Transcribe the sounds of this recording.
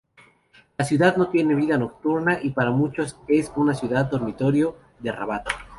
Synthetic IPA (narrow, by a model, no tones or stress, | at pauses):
lasjuðaðno̞t̪je̞ne̞βiðano̞k̚t̪uɾnaʔipaɾamut͡ʃo̞se̞sunasjuðað̚d̪o̞ɾmit̪o̞ɾjo̞ | ðera̰βat̪o̥